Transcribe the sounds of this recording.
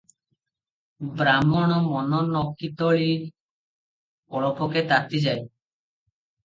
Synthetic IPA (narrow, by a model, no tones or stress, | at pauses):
bɾamɔɽ̃ɔmɔnɔnɔkːit̪ɔɭi | ɔɭɔpʰɔket̪at̪id͡ʒaj